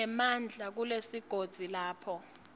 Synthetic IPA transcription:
ɛmand͡ɮʱak̬ulesiɡ̥ʱod̥z̥ʱilaːpʰɔ

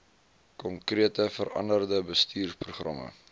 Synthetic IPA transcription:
kɔŋkriətəfəɾɐ̰ndərdəbəstʰiːrpruχrɐ̰mə̰

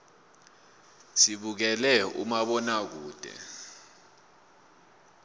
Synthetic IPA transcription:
siɓuk̬ɛlɛṵmaɓɔnak̬uːd̥ʱɛ̰

